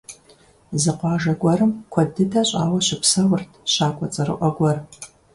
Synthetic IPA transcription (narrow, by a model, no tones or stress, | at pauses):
zɨqʷɑːʒɐɡʷɔɾɨmkʷʰɐdɨdʰaɕʼaːwɐɕɪpsɐwʊrtʰɕaːkʷʼɔt͡sʼɐɾɨ̰ʔʷɔɡʷɔr